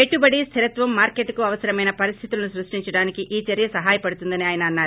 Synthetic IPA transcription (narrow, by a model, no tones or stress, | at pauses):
pe̞ʈːubɐɽist̪ʰiɾɐt̪ʋɐmːaːɾkeʈːkuɐʋɐsɐɾɐmɐjnɐpɐɾist̪ʰit̪ulɐnusɾuʂʈiɲt͡ʃɐɽaːnikiʔiːt͡ʃɐɾjɐsɐɦaːjɐpɐɽut̪und̪ɐniaːjɐnɐːnːaːɾ